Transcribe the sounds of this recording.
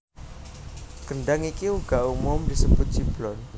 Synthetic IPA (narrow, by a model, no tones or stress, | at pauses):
kənɖaŋikiuɡaʔumʊmdisəb̥ʊt̪̚d͡ʒ̥iblɔn